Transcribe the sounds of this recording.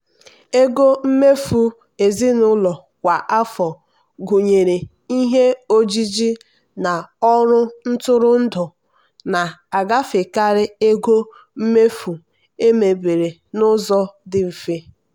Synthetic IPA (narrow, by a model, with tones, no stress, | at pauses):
e˦ɡo˦m̩˦me˦fu˦ | e˨zi˦nʊ˦lɔ˨ | kʷa˨ʔa˦fɔ˨ | ɡu˨ɲe˨ɾe˨ | i˦ɦe˦o˦d͡ʒi˦d͡ʒi˦ | na˨ɔ˦ɾʊ˦n̩˦tʊ˦ɾʊ˦n̩˦dʊ˨ | na˨a˨ɡa˦fɪ˨ka˦ɾɪ˦e˦ɡo˦ | m̩˦me˦fu˨ | e˦me˨be˨ɾe˨ | nʊ˦zɔ˦dɪ˦m̩˨fi˦